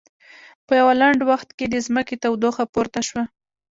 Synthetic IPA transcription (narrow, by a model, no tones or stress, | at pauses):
pəjawalaɳɖwaxt̪ked̪əzməket̪awd̪oxapoɾt̪aʃwa